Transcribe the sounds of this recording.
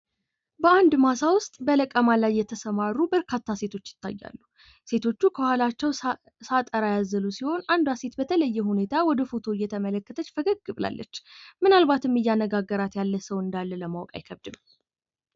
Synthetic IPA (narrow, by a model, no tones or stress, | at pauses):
bəand̪masawʊst̪ʼbələkʼəmalajːɛt̪ʰəsəmaɾːubəɾkʰat̪ʰːase̞t̪ʰo̞t͡ʃːjɪ̥t̪ʰːa̰jːa̰lːu | se̞t̪ʰo̞t͡ʃːukʰəhʷalat͡ʃːɛw | sat̪ʼəɾajazəlusiho̞nand̪ase̞t̪bət̪ʰələjːɛhune̞t̪ʰawɔd̪əfo̞t̪ʰo̞jːɛt̪ʰəmələkːət̪ʰət͡ʃːfəɡəɡːɨβla̰lːə̰t͡ʃːmɨnalbat̪ɨmːɨjːanːəɡaɡːəɾat̪jalːəsəwɨnd̪alːələmawkʼa̰jkʰəβd̪ɨm